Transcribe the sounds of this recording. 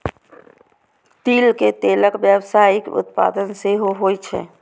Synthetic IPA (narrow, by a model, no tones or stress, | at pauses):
t̪iːlket̪eləkbjəbsaɪkʊ̰t̪pa̰d̪ənseɦoɦojt͡ʃʰɛ̰